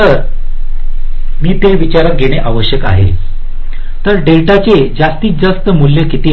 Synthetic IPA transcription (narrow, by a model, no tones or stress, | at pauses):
əɾ | miːt̪eʋit͡ɕaɾaɡʱeɽ̃eʔaʋəɕjəka̰ɦḛ | t̪əɾɖeʈat͡sed͡zast̪iːd͡zəst̪əmuljəkit̪iː